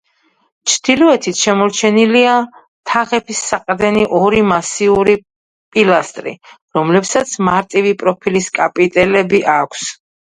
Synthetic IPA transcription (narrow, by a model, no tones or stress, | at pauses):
t͡ʃʰd̪̥ilɔɛt̪ʰit̪ʰʃɛmɔɾt͡ʃʰɛnilia | t̪ʰaʁɛpʰisːaqʼd̪ɛniʔɔɾimasiuɾi | pʼilast̪ʼɾḭ | ɾɔmlɛpsat̪sʰmaɾt̪ʼivipʼɾɔpʰiliskʼapʼit̪ʼɛlɛbiʔakʷʰs